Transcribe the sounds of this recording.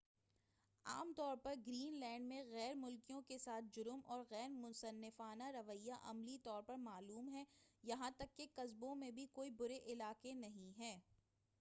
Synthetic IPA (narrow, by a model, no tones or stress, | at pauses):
a̰ːmt̪ɔːɾpɐɾɡɾiːnlɛ̃ːɳɖmẽɣɛːɾmʊlkijõkesaːt̪̚ʰd͡ʒʊɾʊmʔɔːɾɣɛːɾmʊ̃sɐnːɪfaːnaɾɐʋəijːaʔɐ̰mlit̪ɔːɾpɐɾmaːluːmɦɛːjɐɦãt̪ɐkːekɐzbõmẽbʱikoːibʊɾeʔɪlaːkenɐɦĩɦɛː